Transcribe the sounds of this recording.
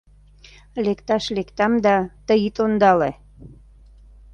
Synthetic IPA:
lekt̪ɑʃlekt̪ɑmd̪ɑt̪əjit̪ond̪ɑle

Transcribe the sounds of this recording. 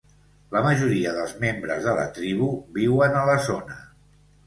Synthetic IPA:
ləməʒuɾiəðəlˠzmembɾə̰zðələ̰t̪ɾiβ̞uβiwənələzonə

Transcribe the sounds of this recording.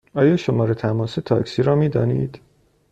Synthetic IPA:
ɒːjɒːʃomɒːɾet̪ʰæmɒːset̪ʰɒ̰ːksiːɾɒːmiːd̪ɒ̰ːnḭːd̪̥

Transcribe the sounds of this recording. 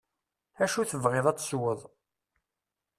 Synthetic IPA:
æʃuθəvʁɪðˤæt͡sːswəðˤ

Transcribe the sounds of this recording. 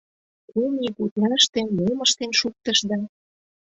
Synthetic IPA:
kumʲikut̪lɑʃt̪emoməʃt̪enʃuk̚t̪əʃd̪ɑ

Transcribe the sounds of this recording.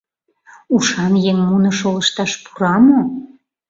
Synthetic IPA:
uʃɑnjeŋmunɤ̆ʃoləʃt̪ɑʃpu̥ɾɑmo

